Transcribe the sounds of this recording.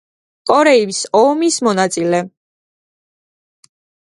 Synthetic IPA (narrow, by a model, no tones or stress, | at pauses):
kʼɔɾɛivsɔmismɔnat̪sʼilɛ